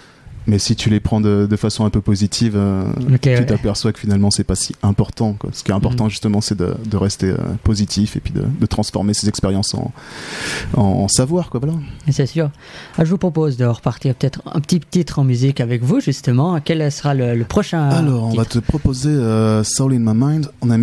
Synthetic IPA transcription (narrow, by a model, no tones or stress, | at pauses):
mɛsit̪ʰylepχɑ̃d̪əd̪əfasɔ̃ɛ̃pøpozit̪ʰivøoket̪yt̪apɛʁswakəfinalmɑ̃sɛpasiɛ̃pɔʁt̪ɑ̃kwa̰sə̥kʲiɛt̪ɛ̃pɔʁt̪ɑ̃ʒyst̪əmɑ̃sɛd̪ə̰d̪əʁɛst̪eø̰pozit̪ʰifepɥid̪ə̰d̪ət̪χɑ̃sfɔʁmesezɛkspeʁjɑ̃sɑ̰̃ | ɑ̰̃ːsavwaʁkwavwalasɛsyːʁ | aʒəvupχɔpozd̪əʁəpaʁt̪iʁpə̥t̪ɛt̪χɛ̰̃pə̥t̪ipət̪it̪χɑ̃myzikavɛkvuʒyst̪əmɑ̃kʲɛlsəʁalələpχɔʃɛ̃alɔʁɔ̃ivatt̪ʰəpχɔpozeøsalinmamãjnd̪ɑ̃nam